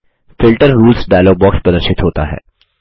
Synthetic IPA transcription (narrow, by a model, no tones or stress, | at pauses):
fɪlʈəɾɾuːlsɖaːloːɡ̚bɔːkspɾɐd̪əɾʃɪt̪ɦoːt̪a̰ɦɛ̰ː